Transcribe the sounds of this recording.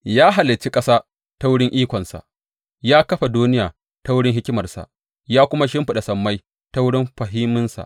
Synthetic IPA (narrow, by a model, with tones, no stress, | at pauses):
jaː˦ɦa˨lɪ˨t͡ʃi˦kʼɐ˦saː˦ | ta˦wʊ˦ɽɪ˦ŋʔiː˦kʷɔ˨nsa̰˨ʔ | jaː˦kɐ˦ɸa˨duː˦nɪ˦jaː˨ | ta˦wʊ˦ɽɪ˦ŋɦɪ˦kʲɪ˦mɐ˨rsa̰˨ʔ | jaː˦kʷʊ˦ma˦ʃɪ˦mɸɪ˨ɗa˨sɐ˨mːa˦j | ta˦wʊ˦ɽɪ˦mɸɐ˨ɦɪ˦mːɪ˦nsa̰˨ʔ